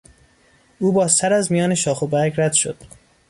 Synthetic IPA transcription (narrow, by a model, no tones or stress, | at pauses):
ʔuːbɒːst̪æɾæzmijɒːne̞ʃɒːxobæɾɡɾæd̪̥ʃo̰d̪̥